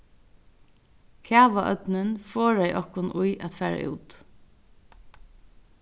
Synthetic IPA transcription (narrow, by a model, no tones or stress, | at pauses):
kʰæːʋaʔœ̰t̪nɪnfɔːɹaɪʔɔhkʊnʔʊjʔæt̪fæːɹa̰ʔṵːt̪